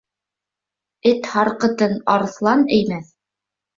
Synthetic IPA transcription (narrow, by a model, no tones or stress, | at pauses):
ɘt̪hɑɾqɤ̆t̪ɤnɑɾɤ̆θlˠɑnɘ̆jmæθ